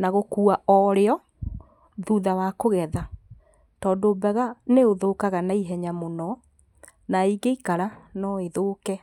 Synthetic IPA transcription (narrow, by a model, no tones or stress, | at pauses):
naɣokuːaʔɔɾeɔ | ðuðawakoɣɛða | tɔːdoːbɛɣaneoðokaɣanaiɦɛɲamonɔ | naiɡeikaɾanɔeðoːkɛ